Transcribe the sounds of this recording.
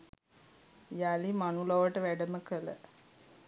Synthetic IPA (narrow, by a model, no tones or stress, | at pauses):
jalimanuloʋəʈəʋæɖəməkələ̰